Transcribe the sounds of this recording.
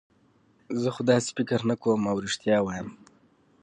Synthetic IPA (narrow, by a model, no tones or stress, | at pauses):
zəxod̪ɑse̥fɪkɾnakomawɾiʂt̪jɑwɑjəm